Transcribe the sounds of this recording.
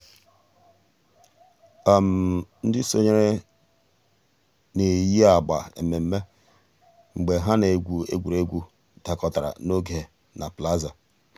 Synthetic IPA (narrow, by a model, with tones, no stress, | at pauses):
a˦m̩˨n̩˦dɪ˦so˦ɲe˦ɾe˦ | ne˨ji˦a˨ɡ͡ba̰˨ḛ˨me˨m̩˦me˦ | ŋ͡m̩˨ɡ͡be˨ɦa˦ne˨ɡʷu˨ḛ˦ɡʷu˨ɾe˦ɡʷu˦ | da˨kɔ˨ta˨ɾa̰˨no˦ɡe˨ | na˨pla˦za˨